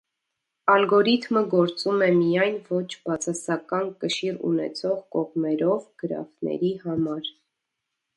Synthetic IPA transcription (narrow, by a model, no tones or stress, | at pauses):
ɑlɡɔɾit̪ʰməɡɔɾt͡sumɛmijɑjnvɔt͡ʃʰbɑt͡sʰɑsɑkɑnkəʃirṵnɛ̰t͡sʰɔʁkɔʁmɛɾɔvɡ̥əɾɑ̰fnɛ̰ɾihɑmɑɾ